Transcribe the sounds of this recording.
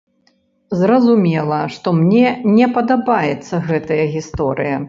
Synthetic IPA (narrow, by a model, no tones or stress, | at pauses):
zɾɐzumʲɛlˠɐʂt̪ɔmnʲɛnʲɛpɐd̪abajɛt̪sːɐɣɛt̪ɐjɐɣʲist̪ɔɾɨjɐ